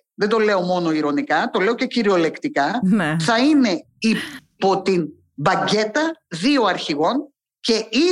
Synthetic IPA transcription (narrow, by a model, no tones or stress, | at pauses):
ðe̞nd̪o̞le̞o̞mo̞no̞iɾo̞nikɐt̪o̞le̞o̞ce̞ciɾio̞le̞kt̪ikɐneθɐine̞ | ipo̞t̪in | bɐɲɟe̞t̪ɐðio̞ɐɾçiɣo̞n | ce̞i